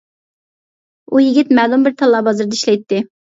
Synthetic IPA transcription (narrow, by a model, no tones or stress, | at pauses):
ujiɡʲɪt̪mɛːlumbɪɾt̪ʰɑlˠːɑːbɑzɨɾd̪iʃlɛjt̪ːɪ